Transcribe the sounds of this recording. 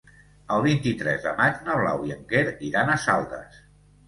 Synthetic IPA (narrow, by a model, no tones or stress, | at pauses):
əlˠβint̪it̪ɾɛzðə̰mad͡ʒnəβla̰wjiəŋɡeɾiɾanəsalˠd̪ə̰s